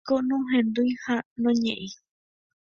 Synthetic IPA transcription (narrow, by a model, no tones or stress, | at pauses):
konõɦẽnd̪ujhanõɲẽʔĩ